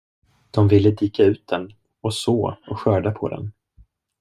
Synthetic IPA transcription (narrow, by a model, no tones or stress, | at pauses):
d̪̥ɔmvɪlːəd̪iːkaʉ̟ːt̪̚d̪ɛn | ɔsoːɔɧœːɖapʰɔ̰d̪ɛ̰n